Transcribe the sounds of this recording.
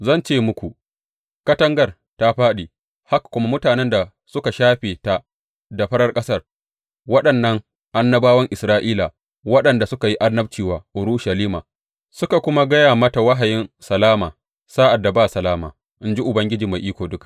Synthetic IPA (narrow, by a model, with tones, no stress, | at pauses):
zɐ˦˨nt͡ʃeː˦mʊ˦kʷu˨ | kɐ˦tɐ˦ŋɡɐ˨r | ta˦ɸaː˦ɗiː˨ | ha˦kkʷʊ˦ma˦mʊ˦taː˨nɛ˦nda˨ | sʊ˦ka˨ʃaː˦ɸeː˨ta˦ | da˨ɸɐ˦ɽɐ˦rkʼɐ˦sɐ˦r | wɐ˦ɗɐ˨nːɐ˦ŋ | ʔa˦nːɐ˦baː˦wɐ˦ŋʔɪ˨sɾaː˦ʔiː˦la˨ | wɐ˦ɗɐ˨nda˨sʊ˦ka˨ji˦ʔa˦nːɐ˦b̚t͡ʃiː˨waː˨ʔʊ˨ɾuː˦ʃa˨liː˦maː˨ | sʊ˦ka˨kʷʊ˦ma˦ɡɐ˦jaː˨mɐ˦ta˨wa˦ɦa˨jɪ˦nsɐ˨laː˦maː˨ | saː˦ʔa˨dːa˨baː˦sɐ˨laː˦ma̰ː˨ | ʔɪ˨˦nd͡ʒi˦ʔʊ˨bɐ˦ŋɡʲɪ˦d͡ʒiː˨ma˨ʔiː˦kʷoː˨dʊ˦ka˨ʔ